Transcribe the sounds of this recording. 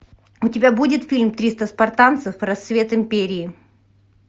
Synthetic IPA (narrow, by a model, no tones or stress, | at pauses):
ʊtʲɪbʲabudʲɪt̪fʲilʲmt̪ɾʲist̪əspɐrt̪ant̪sɨfɾɐst̪vʲe̞t̪ɪmʲpʲeɾʲɪː